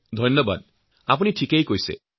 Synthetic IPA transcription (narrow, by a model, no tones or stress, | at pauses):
d̪ʱɔnjɔba̰d̪̚ | ap̬uniʈʰikejkojsḛ